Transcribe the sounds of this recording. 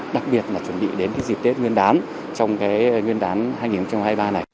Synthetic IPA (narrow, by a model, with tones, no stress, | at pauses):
ɗa˨˩k̚ɓi˨˩ət̚laː˨˩t͡ɕwə˧˩nɓḭ˧˨ɗe˨˦nkaː˨˦jzi˨˩t̪e˦˥t̚ŋwi˧ənɗaː˨˦n | t͡ɕɔ˧wŋ͡mkaː˨˦jŋwi˧nɗaː˨˦nɦaː˧jŋi˨˩nxə˧wŋ͡mt͡ɕa˧mhaː˧jɓaː˧na˨˩j